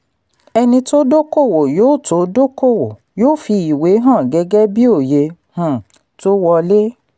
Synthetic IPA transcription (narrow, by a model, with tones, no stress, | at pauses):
ɛ˧nĩ˧to˦do˦ko˦˨wo˨joː˦˨to˨˦do˦ko˦˨wo˨ | joː˦˨fi˧i˨we˨˦ɦã˦˨ɡɛ˧˦ɡɛ˦bi˦o˦˨je˧h̩˨ | to˦wɔ˧le˦